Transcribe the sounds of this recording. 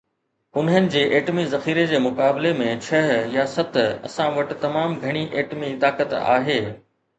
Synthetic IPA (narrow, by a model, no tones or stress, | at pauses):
ʊnɦənɪ̆d͡ʑeːʔeːʈmizɐxiːɾed͡ʑeːmʊkaːblemẽt͡ɕʰɐɦjasɐt̪ʰɐ̰sãʋɐʈɪ̆t̪ɐmaːmɡʱɐɽ̃iʔeːʈmit̪aːkət̪a̰ːɦeː